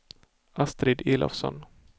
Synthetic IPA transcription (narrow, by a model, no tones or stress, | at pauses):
ʔast̪ɾɪd̪eːlʔɔ̰fsɔ̰n